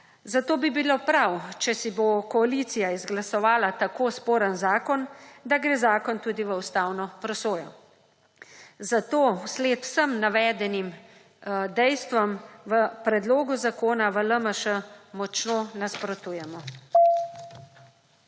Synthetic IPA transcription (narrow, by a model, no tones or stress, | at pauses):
zat̪oːbibilopɾawt͡ʃɛsibokɔaliːt̪sijaizɡlasɔʋaːlat̪akoːspoːɾənzaːkɔnd̪aɡɾeːzaːkɔnt̪uːd̪iʋəust̪aːwnɔpɾɔsoːjɔ | zat̪oːwsleːt̪w̥səmnaʋɛːd̪ɛnim | d̪ɛjst̪ʋɔmʋəpɾɛd̪loːɡuzakoːnaʋələməʃəmɔt͡ʃnonaspɾɔt̪uːjɛmɔ